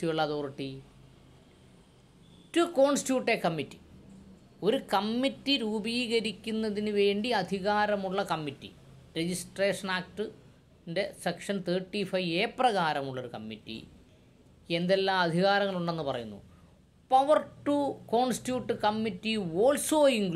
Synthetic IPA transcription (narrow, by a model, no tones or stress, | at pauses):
ijuɭːɐðoːriʈːi | tuko̞ːɳstjuːʈːekɐmːitːi̥ | o̞ɾukɐmːitːiɾuːbiːɣɐɾikʲːunːɐðinɨʋe̞ːɳɖiɐd̪ʱiɣaːɾɐmuɭːɐkɐmːitːḭ | ɾed͡ʑisʈreːʂɐnaːk̚ʈɨ | nde̞sekʂɐnt̪ʰeːʈːifɐjeːprɐɣaːɾɐmuɭːo̞ɾukɐmːḭtːḭ | e̞nd̪elːaːɐd̪ʱiɣaːɾɐŋːɐɭuɳɖe̞nːɨpɐrɐ̰junːṵ | pɐʋɐrʈːuko̞ːɳstjuːʈːɨkɐmːitːioːlsoːiŋɡ